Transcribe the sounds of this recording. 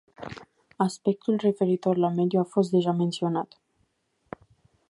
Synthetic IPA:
aspe̞k̚t̪ulre̞fe̞ɾit̪o̞rlame̞d̪juafo̞s̬t̪̚d̪e̞ʒame̞nt̪sio̞nat̪

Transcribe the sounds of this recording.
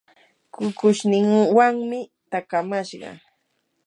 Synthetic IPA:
kʊkʊʃnɪŋwaŋmɪt̪akamaʃɢɑ̰

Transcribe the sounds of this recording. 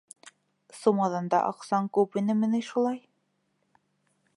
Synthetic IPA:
sumɑðɑnd̪ɑ̰ʔɑ̰qsɑŋkʉpinɘmɘ̆nɘʃulˠɑj

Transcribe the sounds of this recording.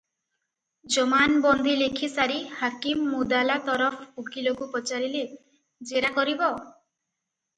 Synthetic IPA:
d͡ʒɔmanbɔnd̪ʱilekʰisaɾihakimːud̪alat̪ɔɾɔpʰuɡilokupɔt͡ʃaɾile | d͡ʒeɾakɔɾibɔ

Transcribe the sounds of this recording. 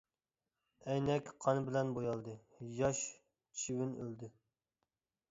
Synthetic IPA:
ɛjnɛkʲqʰɑnɨbɪlɛnbojɑlˠd̪ɨ | jɑʃ | t͡ʃʰiwɪnø̰ld̪ɪ

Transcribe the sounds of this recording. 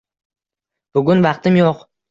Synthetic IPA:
b̥ʊɡʲʊnvɑqt̪ɪmjoq

